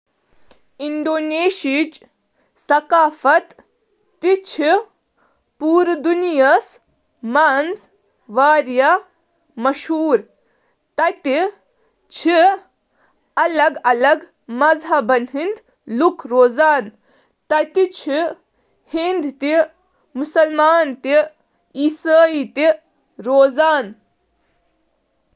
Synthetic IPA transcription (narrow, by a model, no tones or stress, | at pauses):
iɳɖoːneːʃit͡ʃ | sɐkaːfɐt̪ː | it͡ʃʰi | puːɾd̪unijɐs | maːnz | ʋaːɾja | mɐʃɦuːɾ | t̪ɐt̪i | t͡ʃʰi | ɐlɐɡɐlɐɡ | mɐzɦɐbɐnɦind̪ | lukʰɾoːzaːn | t̪ɐt̪it͡ʃʰi | hind̪t̪i | musɐlmaːnt̪i | isaːit̪i | ɾoːzaːn